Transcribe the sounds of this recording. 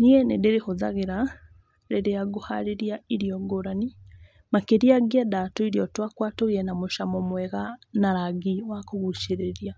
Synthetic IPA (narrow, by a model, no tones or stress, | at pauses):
niɛnedeɾexozaɣeɾa | ɾeɾeaɡohaɾiɾiaiɾiɔɡoɾani | makeɾiaɡiadatoiɾiɔtwakwatoɣiɛnamoʃamɔmwɛɣanaɾaɡiwakoɣuʃeɾeɾia